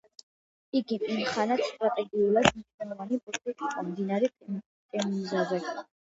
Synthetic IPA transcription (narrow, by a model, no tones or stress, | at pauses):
iɡimimχanat̪st̪ʼɾat̪ʼɛɡiulˠad̪miʃnɛlˠɔvanipʼɔlit̪ʰʼik̪ʼid̪amd̪inaɾɛ | kʼɛmmzazɛ